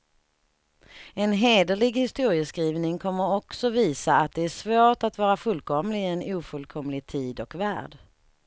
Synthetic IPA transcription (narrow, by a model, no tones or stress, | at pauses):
ɛnɦeːd̪əlɪɡhɪst̪uːɾɪəskɾiːvnɪŋkʰɔmːəɾɔksɔviːsaat̪̚d̪ɛæʂvoːʈat̪vɑːɾafɵlkʰɔmlɪɛnuːfɵlkʰɔmlɪɡt̪ʰiːd̪ɔkvæ̰ːɖ